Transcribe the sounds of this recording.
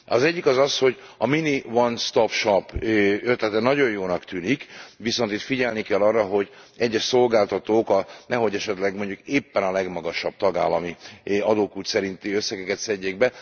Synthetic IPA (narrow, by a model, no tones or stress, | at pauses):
ɒ̰zɛɟːikɒzɒsho̞ɟɒminiʋɒnst̪opʃopjøt̪lɛt̪ɛnɒɟo̞jjoːnɒkt̪yːnikʋiso̞nt̪it̪fiɟɛlnikɛlːɒrːɒɦo̞ɟɛɟːɛʃso̞lɡaːlt̪ɒt̪oːkɒnɛɦo̞ɟɛʃɛt̪lɛɡmo̞ɲɟukeːpːɛnɒlɛɡmɒɡɒʃɒb̥̚t̪ɒɡa̰ːlɒmiɒd̪oːkuːt̪sɛɾint̪iø̞sːɛɡɛkɛt̪sɛɟːeːɡbɛ